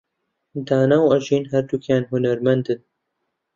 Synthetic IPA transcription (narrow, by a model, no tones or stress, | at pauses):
d̪aːnawɐʒiːnɦɐɾd̪ukjaːnhunɐɾmɐnd̪ɨn